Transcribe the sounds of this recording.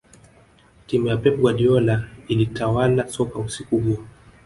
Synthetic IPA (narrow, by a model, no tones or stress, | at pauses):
timujapɛp̚ɡwaɗiɔlailitawalasɔkausikuɦuɔ